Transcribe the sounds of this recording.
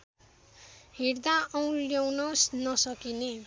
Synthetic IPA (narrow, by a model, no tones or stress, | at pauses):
ɦerd̪aʌw̃ljawnʌsnʌsʌkine